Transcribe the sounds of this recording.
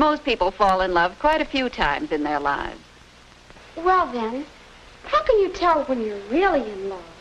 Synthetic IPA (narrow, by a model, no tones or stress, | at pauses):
moʊspipl̩ˠfɔlˠə̃nlʌv̥kʰw̥aɪɾɨfjʉtʰã̰ɪ̃mzɨ̃nðə˞la̰ɪvz̥ | wɛlˠðɨ̃n | haʊkɨ̃njɨtʰɛlˠwə̃njə˞ɹɪlˠiɪ̃nlʌv̥